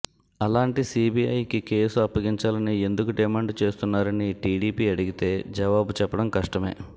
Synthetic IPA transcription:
ɐlaːɳʈisiːbiɐjkike̞ːsuɐpːɐɡiɲt͡ʃaːlɐnie̞nd̪ukuɖimaːɳɖt͡ʃe̞ːst̪unːaːɾɐniʈiːɽiːpiːɐɽiɡit̪e̞ːd͡ʒɐʋaːbut͡ʃɛpːɐɽɐmkɐʂʈɐme̞̰ː

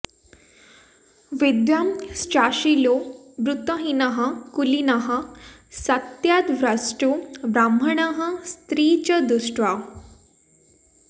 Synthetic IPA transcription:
ʋid̪jamst͡ɕaɕilo | bɾut̪əɦinəɦakulinəɦasət̪jad̪ʋɾəsʈubɾambʱəɳəɦəst̪ɾiːt͡ɕəd̪usʈʋa

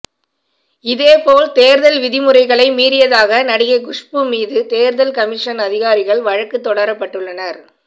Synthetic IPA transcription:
ɪðeːpoːlt̪eːɾðɐlʋɪðɪmɯrɐɪɣɐɭɐɪmiːɾɪjɐðaːɣɐnɐɽɪɣɐɪɡʊʂpɯmiːðɯt̪eːɾðɐlkɐmɪʂɐnɐðɪɣaːɾɪɣɐɭʋɐɻɐkːɯt̪ːɔɽɐɾɐpːɐʈːɯɭːɐnɐɾ

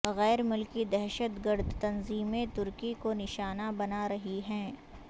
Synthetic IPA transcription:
ɣɛːɾmʊlkid̪ɛɦʃət̪ɡəɾd̪ʱt̪ɐnziːmẽt̪ʊɾkikonɪʃaːnabɐnaɾɐɦiɦɛ̃ː

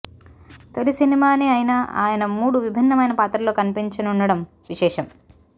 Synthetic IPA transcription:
t̪olisinimaːneːaːjinaa̰ːjɐnɐmuːɽuʋibʱinːɐmɐjnɐpaːt̪ɾɐlo̞ːkɐnipiɲt͡ʃɐnunːɐɽɐm | ʋiʃɛːʂɐm

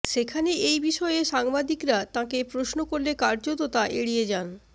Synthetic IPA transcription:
ʃekʰaneʔejbiʃɔeʃaŋbad̪ikɾat̪ãkepɾosnokoɾlekaɾd͡ʑot̪ot̪aʔeɽied͡ʑan

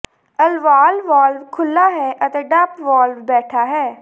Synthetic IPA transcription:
əlʋaːlʋaːlʋkʰʊlːaːɦɛːʔət̪eːɖəpʋaːlfbɛːʈʰaːɦɛː

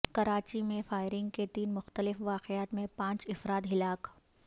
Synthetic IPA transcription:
kɐɾaːt͡ʃimẽfaːɪɾɪ̃ŋɡ̚ket̪iːnmʊxt̪əlɪfʋaːqɪaːt̪mẽpãːt͡ʃɪfɾaːt̪ɦɪlaːk

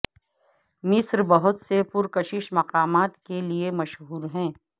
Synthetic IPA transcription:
mɪsɾbɐɦʊt̪sepʊɾkɐʃɪʃmɐqaːmaːt̪keliemɐʃɦɦuːɾɦɛ̃ː

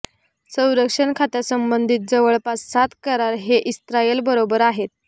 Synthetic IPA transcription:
sə̃w̃ɾəkʂəɳkʰat̪jasəmbənd̪ʱiːt̪̚d͡zəʋəɭpassat̪kəɾaɾɦeʔist̪ɾajelbəɾobəɾaɦet̪̚

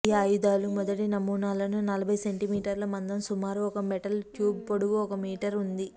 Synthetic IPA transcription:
aːjud̪aːlumɔd̪ɐʈinɐmuːnaːlɐnunɐlɐbʱɐjseɳʈimiːʈɐɾlɐmɐnd̪ɐmsumaːɾuɔkɐmɛʈɐlʈjuːbpoɽuɡuɔkɐmiːʈɐɾund̪i

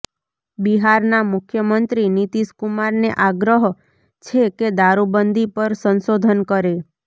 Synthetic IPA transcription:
biɦaɾnamʊkʰjəmənt̪ɾinit̪iskumaɾneʔaɡɾəɦ | t͡ʃʰeked̪aɾubənd̪ʱipəɾsənsod̪ʱənkəɾe

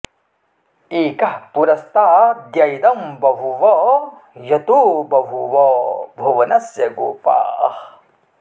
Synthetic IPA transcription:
iːkɐhpuɾɐst̪aːd̪jɐjd̪ɐmbɐɦuʋɔ | jɐt̪oːbɐɦuʋɔbʱɐʋɐnɐsjɐɡo̰ːpa̰ːh

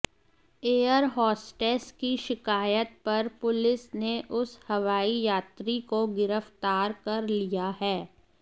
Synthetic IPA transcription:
eːəɾɦɔːsʈeːskiʃɪkaːjət̪̚pɐɾpʊlɪsneʔʊshɐʋaːijaːt̪ɾikoɡɪɾəft̪aːɾkɐɾlijaɦɛː

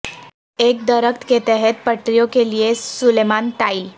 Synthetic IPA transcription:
ek̚d̪əɾəkt̪ket̪eɦet̪̚pəʈɾijokelijesulemanʈail

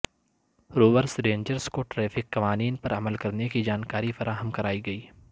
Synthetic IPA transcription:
ɾoːʋəɾsɾẽːɲd͡ʒəɾskoʈɾɛːfɪkːɐʋaːniːnpɐɾɐməlkɐɾnekid͡ʒaːnkaːɾifɐɾʔaːɦəmkɐɾaːiɡɐiː

